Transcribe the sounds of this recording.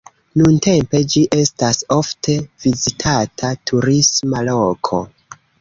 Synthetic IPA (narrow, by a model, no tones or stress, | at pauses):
nunte̞mpe̞d͡ʒiʔe̞staso̞ftʰe̞vizitʰatʰatʰuɾismalokʰo̞̰